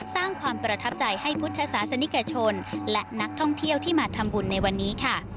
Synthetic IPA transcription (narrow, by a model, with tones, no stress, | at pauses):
saː˥˩ŋkʰwaː˧mpɾa˧t̪ʰa˦˥p̚t͡ɕa˧jha˥˩jpʰu˦˥t̪ʰːa˧saː˩˦sa˧ni˦˥ka˧t͡ɕʰo˧nlɛ˦˥ʔna˦˥k̚t̪ʰɔ˥˩ŋt̪ʰi˥˩əwt̪ʰiː˥˩maː˧t̪ʰa˧mbu˧nːa˧jwa˧nːiː˦˥kʰa˥˩